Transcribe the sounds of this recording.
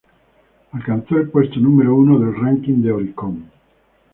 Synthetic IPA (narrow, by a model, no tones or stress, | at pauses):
alkant̪sɔilpwest̪onumeɾouːnod̪elraŋkiŋd̪eoɾikɔm